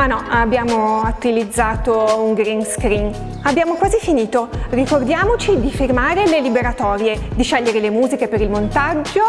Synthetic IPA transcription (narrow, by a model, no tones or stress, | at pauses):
anɔabːjaːmoat̪ilid̪zːaːt̪ouŋɡɾinskɾin | abːjaːmokwaːzifiniːt̪orikord̪jaːmot͡ʃid̪ifirmaːɾelelibeɾat̪ɔːɾjed̪iʃɛʎːeɾelemuːzikepeɾilmont̪ad͡ʒːo